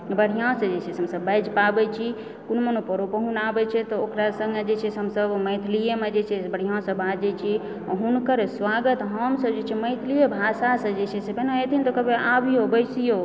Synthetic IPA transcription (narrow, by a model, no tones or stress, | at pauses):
bəɽ̤ijãsə̃d͡ʒet͡ʃʰɛsɦəmsəbəjd͡ʒpabɛt͡ʃʰi | kunmənopəɾopəɦunabɛt͡ʃʰɛt̪ɔokɾasə̃ŋɡed͡ʒet͡ʃʰɛsɦəmsəbməjt̪ʰlijemed͡ʒet͡ʃʰɛbəɽ̤ijãsə̃bad͡ʒɛt͡ʃʰi | ɦunkəɾswaɡət̪ɦəmsəbd͡ʒet͡ʃʰɛməɪt̪ʰlijebʱasasə̃d͡ʒet͡ʃʰɛsepeneet̪ʰint̪okəbeabijobəjsijo